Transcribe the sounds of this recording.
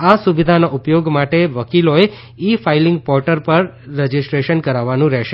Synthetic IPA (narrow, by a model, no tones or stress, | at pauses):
asuʋid̪ʱanaʔupjoɡmaʈeʋəkiloe | ifailɪ̃ŋɡ̚pɔɾʈəɾpəɾːəd͡ʒisʈɾeʃənkəɾaʋːanũɾɛɦʃe